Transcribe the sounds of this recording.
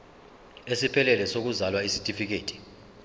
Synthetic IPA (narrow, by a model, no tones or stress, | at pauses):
esipʰɛlɛlɛsok̬uzalwaisi̥tʼifik̬eːtʰʼi̥